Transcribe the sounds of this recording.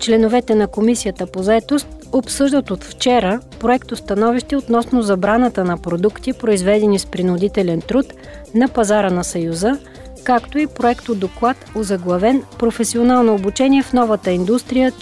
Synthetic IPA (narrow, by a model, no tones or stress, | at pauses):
t͡ʃlɛnovɛt̪ɛnɐkomisijət̪əpozɐɛt̪ost̪̚opsɤʒd̪ət̪ot̪ft͡ʃɛɾəpɾoɛkt̪ost̪ɐnɔviʃt̪ɛot̪nɔsnozɐbɾanət̪ənɐpɾod̪ukt̪ipɾoizvɛd̪ɛnispɾinʊd̪it̪ɛlɛnt̪ɾut̪ | nɐpɐzaɾənɐsɐjuzə | kakt̪oipɾoɛkt̪od̪oklˠat̪ozɐɡlˠɐvɛnpɾofɛsionalˠnoːbut͡ʃɛniɛfnɔvət̪əind̪ust̪ɾijə